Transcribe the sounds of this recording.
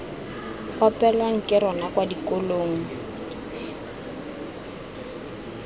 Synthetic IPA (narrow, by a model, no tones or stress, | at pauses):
ɔpʼɛlwaŋ̩kʼɪɾɔnakwadikʼoloːŋ̩